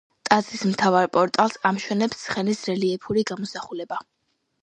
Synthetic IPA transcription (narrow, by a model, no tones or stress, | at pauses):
t̪ʼat̪sʰismt̪ʰavaɾpʼɔɾt̪ʼalˠsamʃwɛnɛpsːχɛnisɾɛliɛpʰuɾiɡamɔsaχulɛba